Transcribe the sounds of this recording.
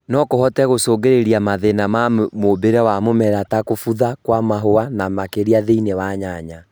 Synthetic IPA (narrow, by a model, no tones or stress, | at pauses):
nɔkoɦɔtɛɣosoːɡeɾeɾiamaðenamamobeɾawamomɛɾatakofuðakwamaɦoanamakeɾiaðeinewaɲaɲa